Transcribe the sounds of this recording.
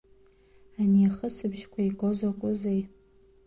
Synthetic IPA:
aniχəsɨbʒkʷʰaiɡʼozakʷʼʊzej

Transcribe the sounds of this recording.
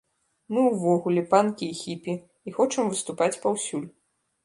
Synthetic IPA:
mɨwvɔɣulʲɛpankʲiːxʲipʲiː | xɔt͡ʂɐmvɨst̪upat͡sʲpawsʲulʲ

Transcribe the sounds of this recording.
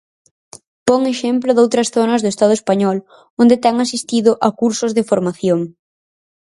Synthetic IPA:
pɔŋeʃemplʊðowt̪ɾɐsθonɐzðʊest̪að̞ʊespaɲɔl | ond̪et̪ɛŋasist̪iðʊʔɐkuɾsʊzðɪfoɾmaθjoŋ

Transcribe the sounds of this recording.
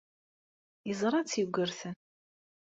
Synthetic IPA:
jəzˤɾˤɑt͡sːjəɡʷːəɾθən

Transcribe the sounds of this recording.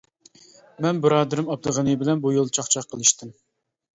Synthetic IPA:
mɛnbɪɾɑːd̪ɨɾɨmɑp̚d̪əʁənɨbɪlɛnbujolˠt͡ʃʰɑχt͡ʃʰɑqʰːəlˠɨʃt̪ɪm

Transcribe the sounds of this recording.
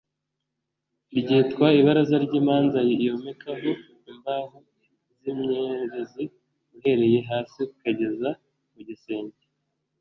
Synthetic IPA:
ɾɟiːtkwaiβaɾazaɾɟiːmaːnzajiijomekʰaɦo | imbaɦu | zimɲeɾezi | uhe̞ɾe̞je̞ɦaːsiku̥kaɟe̞za | muɟiseːɲde

